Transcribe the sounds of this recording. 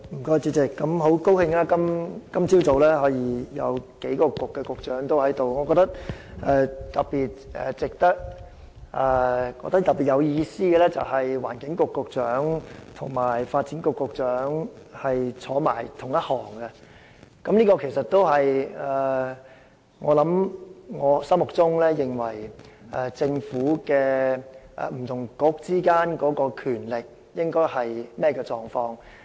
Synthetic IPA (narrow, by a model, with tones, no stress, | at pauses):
m̩˨˩kɔː˥jt͡si˧tt͡sɪ˨kːɐ˨˥mɦo˨˥wko˥whɪ˧ŋlaː˥kɐ˥mkɐ˥mt͡siː˥wt͡so˨wlɛː˥ɦɔː˨˥jiː˧jɐ̰˨˧wke˨˥jkɔː˧kʊ˨kːɛ˧kʊ˨k̚t͡ʃœː˨˥ŋt̪o˥whɐ˨˥jt̪o˨wŋɔː˨˧kɔ˧k̚t̪ɐ˥k̚ʔɛː˧t̪ɐ˨k̚piː˨t̚ɛ̰ː˨t͡sɪ˨k̚t̪ɐ˥k̚ | ʔɛ˨˧˩kɔː˧kt̪ɐ˥k̚t̪ɐ˨˩pːi˨˩t̚jɐ˨˧wjiː˧siː˥ɛ˧lɛː˥t͡sɐ̰˨whɐ˨jwa̰ː˨˩nkɪ˨˥ŋkʊ˨kːʊ˨k̚t͡sœː˨˥ŋt̪ʰʊ˨˩ŋmaː˨˩jfaː˧t̚t͡siː˨˥nkʊ˨˧kːʊ˧k̚t͡ʃœː˨˥ŋhɐ˨jt͡sʰɔː˨˥ma̰ː˨˩jt̪ʰʊ˨˩ŋjɐ˥t̚hɔː˨˩ŋɡɛ˧ | kɐ˨˦mliː˥kɔː˧kʰe˨˩sɐ˨t̚t̪o˥wɦɐ˨jɛ˨ | ŋɔː˨˧lɐ˨˥mŋɔː˨˧sɐ˥mʊ˨k̚t͡sʊ˥ŋlɛː˥jɪ˨ŋwɐ˨˩jʔɛ˨t͡sɪ˧ŋfuː˨˥kɛː˧ʔɛ̰ː˨m̩˨˩t̪ʰʊ˨˩ŋkʊ˧k̚t͡siː˥kaː˥nkɔː˨˥kɔː˧kʰyː˨˩nlɪ˨k̚ | jɪ˥ŋkɔː˥jhɐ˨jmɛː˥kɛː˧t͡sɔː˨ŋfɔː˧˥ŋ